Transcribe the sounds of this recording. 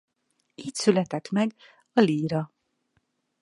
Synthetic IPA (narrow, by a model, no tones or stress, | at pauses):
iːcsylɛt̪ɛt̪mɛɡ | ɒliːɾɒ